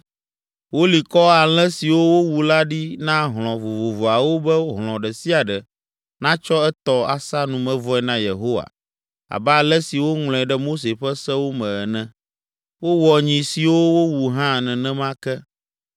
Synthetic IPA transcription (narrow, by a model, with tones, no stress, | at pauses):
wo˦li˨kɔ˦a˨l̃ɛ̃˦si˨wo˦wo˦wu˨la˦ɖi˦nã˦ɦl̃ɔ̃˨vo˨vo˨vo˨a˨wo˦bɛ˦wo˦ɦl̃ɔ̃˨ɖɛ˨si˦a˨ɖɛ˨ | nã˦t͡ʃɔ˦ɛ˦t̪ɔ˦a̰˨sa˦nũ˨mɛ̃˨vɔ˦ɛ˦˨nã˦je˨ɦo˦wa̰˨ | a̰˨ba˦˨lɛ˦si˨wo˦ŋl̃ɔ̃˨ɛ˨ɖɛ˦mo˦s̬e˨ɸɛ˦sɛ˦wo˦mɛ̃˨ɛ˨nɛ̃˨ | wo˦wɔ˨ɲĩ˨si˨wo˦wo˦wu˨ɦã˦nɛ̃˨nɛ̃˦mã˦kɛ˦